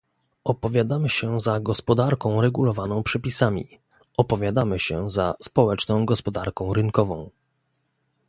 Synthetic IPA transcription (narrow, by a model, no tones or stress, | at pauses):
ɔpɔvʲjad̪amɘɕɛzaɡɔspɔd̪aɾkɔ̃w̃ɾɛɡulɔvanɔ̃w̃pʂɛpʲisamʲḭ | ʔɔpɔvʲjad̪amɘɕɛzaspɔwɛt͡ʂnɔ̃w̃ɡɔspɔd̪aɾkɔ̃w̃ɾɘnkɔvɔ̃w̃